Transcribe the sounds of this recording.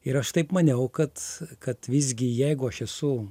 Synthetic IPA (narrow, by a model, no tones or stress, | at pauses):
ɪɾɐʃt̪ɐɪpmɐnʲɛʊkɐt̪kɐt̪ʋʲɪzʲɡʲɪjɛɪɡʊɐʃɛsʊ